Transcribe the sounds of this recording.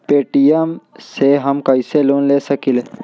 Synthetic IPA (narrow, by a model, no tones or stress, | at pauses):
peːʈijəmseɦɐmkɐiseloːnleːsəkile